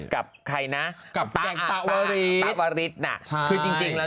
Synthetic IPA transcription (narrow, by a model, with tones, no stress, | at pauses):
ka˨˩p̚kʰa˧jna˦˥ʔka˨˩p̪̚aɛ˧˨˩t̪a˧˩wa˧ɾi˦˥˨waː˧ɾi˦˥t̪̚na̰˧˩t͡ɕʰkʰɯː˧t͡ɕi˧ŋt͡ɕi˧ŋlɛː˦˥